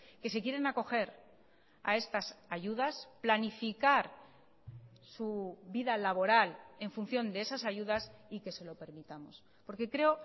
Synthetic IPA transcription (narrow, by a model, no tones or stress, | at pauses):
ke̞se̞kje̞ɾenako̞xe̞ɾ | a̰e̞st̪asaʝuðasplanifikaɾ | suβiðalaβo̞ɾale̞ɱfun̟θjo̞nd̪e̞e̞sasaʝuðasike̞se̞lo̞pe̞ɾmit̪amo̞̰s | po̞ɾke̞kɾe̞o